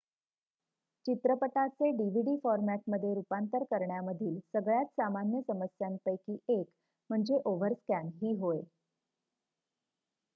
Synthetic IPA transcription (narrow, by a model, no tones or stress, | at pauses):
t͡ɕit̪ɾəpət̪at͡seɖiʋ̤iɖifɔɾmæʈ̚məd̪ʱːjeɾupant̪əɾkəɾɳjaməd̪ʱiːlsəɡɭjat̪samanjəsəməsjampəjkiːek | m̤əɳd͡zeʔoʋəɾskanɦiːɦoe